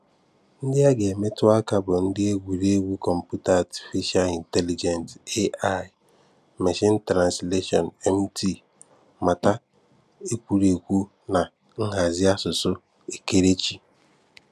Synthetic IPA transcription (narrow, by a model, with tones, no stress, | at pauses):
n̩˦dɪ˦a˦ɡe˨me˦tʊ˦a˦ka˨bʊ˨n̩˦dɪ˦e˦ɡʷi˨ɾi˦e˦ɡʷu˦kɔ˨m̩˨pu˦ta˦a˨ti̥˨fi˦ʃa˦li˨nte˦li˨d͡ʒe˨nte˦a˦˨ | me˨ʃɪ˦n̩˦tɾa˨nsle˦ʃɔ̰˨nɛ˦m˦tʰi˦˨ | ma˨ta˦ | e˦kʷu˦ɾe˨kʷu˦ | na˨ | ŋ̩˦ɦa˨zɪ˦a˦sʊ˨sʊ˦ | e˨ke˦ɾe˦t͡ʃi˨